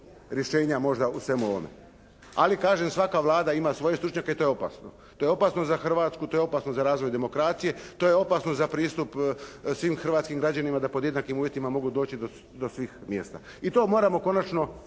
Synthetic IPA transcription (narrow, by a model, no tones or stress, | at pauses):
ɾjeʃeːɲamo̞ʒd̪ausʋe̞muoʋo̰me̞̰ | a̰likaːʒemsʋakaʋlˠaːd̪aimasʋo̞jest̪ɾut͡ʃɲakeit̪o̞jo̞pa̰sno | t̪ojeo̞pasnozaxr̩ʋat̪skut̪ojeo̞pasnozaɾaːzʋo̞jd̪e̞mo̞kɾat̪sije̞t̪o̞ːjeo̞pasnozapɾiːst̪upsʋimxr̩ʋaːt̪skimɡɾad͡ʑanimad̪apod̪jed̪nakimuːʋjet̪imamo̞ɡud̪o̞ːt͡ɕid̪o | d̪o̞sʋiːxmje̞st̪a̰ | it̪o̞ːmo̞ːɾamo̞ko̞nat͡ʃno̞